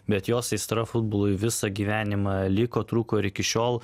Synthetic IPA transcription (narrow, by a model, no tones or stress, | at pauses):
bʲɛt̪joːsɐɪst̪ɾɐfʊd̪̚boːlˠʊjʋʲɪsɐɡʲiːʋʲæːnʲɪmɑlʲɪkoːt̪ɾuːkoːɪɾɪkʲɪʃʲoːlˠ